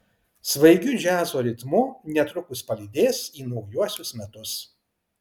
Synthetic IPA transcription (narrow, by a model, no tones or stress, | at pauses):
sʋɐɪɡʲʊʒʲæːzoːɾʲɪt̪mʊnʲɛt̪ɾʊkʊspɐlʲɪd̪ʲeːsiːnɐʊjuɔsʲʊsmʲɛt̪ʊs